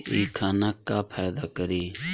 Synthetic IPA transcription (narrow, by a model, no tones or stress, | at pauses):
iːkʰaːnaːkːaːpʰaːd̪aːkəɾiː